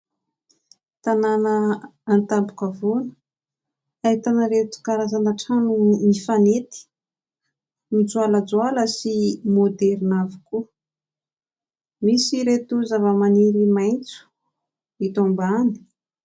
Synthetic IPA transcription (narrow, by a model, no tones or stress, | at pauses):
t̪ananəːnt̪ambu̥kavonə | ait̪anəɾet̪u̥kaɾazanaʈ͡ʂanumifanet̪i̥ | nud͡zualad͡zwaləsimod̪ɛɾinaviku | misiɾet̪uzavəmaniɾimajnt͡su̥ | it̪ombani̥